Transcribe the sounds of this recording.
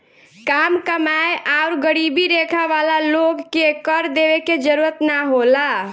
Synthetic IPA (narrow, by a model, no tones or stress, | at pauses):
kamkəmajʔaʊɾɡəɾibiɾekʰaʋalaloɡːekəɾd̪eβeked͡ʒəɾuɾət̪naɦola